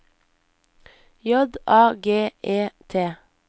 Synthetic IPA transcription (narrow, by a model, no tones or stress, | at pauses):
jɔd̪ʔɑːɡeːʔeːt̪ʰeː